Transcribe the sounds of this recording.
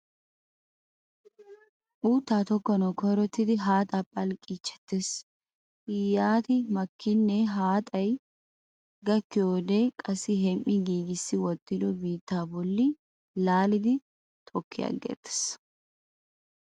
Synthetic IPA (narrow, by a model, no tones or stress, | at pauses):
ʔuːt̪ːaːt̪ɔkːɔnɔkʰɔɾɔt̪ːɪd̪ɪɦaːt̪ʼɐpʼːɐlkʼiːt͡ʃːɛ̥t̪ːes | ɪjaːt̪ɪmɐkʰːɪnːɛɦaːt̪ʼɐj | ɡɐkːɪjoːd̪ekʼɐsɪɦɛmʔɪɡiːɡɪsːɪwɔt̪ʼːɪd̪ɔbiːt̪ːaːbɔlːɪ | laːlɪd̪ɪ | t̪ʰɔkːɪjɐ̰ɡḛːt̪ːɛ̥s